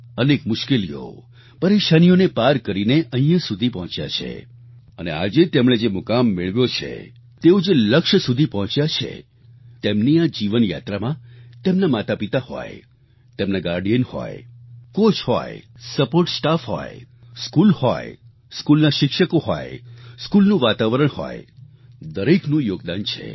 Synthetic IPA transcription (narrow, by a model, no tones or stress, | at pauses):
ənekmʊʃkelḭjo̰ | pəɾeʃanijonepaɾkəɾineʔə̃ɦĩjãsud̪ʱipəɦɔ̃t͡ʃja̰t͡ʃʰḛ | ənea̰d͡ʒet̪emɳed͡ʒemʊkamːɪɭʋjot͡ʃʰḛ | t̪eod͡ʒeləkʃsud̪ʱipəɦɔ̃t͡ʃjat͡ʃʰḛ | t̪emniad͡ʒiʋənja̰t̪ɾamãt̪emnamat̪apit̪ahɔ̰e | t̪emnaɡaɾɖijənhɔ̰ekot͡ʃɦɔ̰jsəpoɾʈsʈafɦɔ̰e | skulhɔj | skulnaʃɪkʃəkoɦɔ̰eskulnũʋat̪aʋəɾəɳ̃hɔ̰j | d̪əɾeknũjoɡd̪ant͡ʃʰḛ